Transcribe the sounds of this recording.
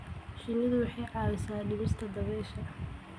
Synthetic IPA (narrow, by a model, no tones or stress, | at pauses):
ʃɪnɪðʊwʊħɑjʕɑːwɪsaːɖɪβɪst̪ʰɐd̪ɐβɛːʃɐ